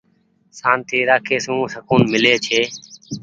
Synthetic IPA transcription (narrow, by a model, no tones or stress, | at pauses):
saːnt̪ʰiːɾaːkʰeːsũːsəkuːnmɪleːt͡ʃʰeː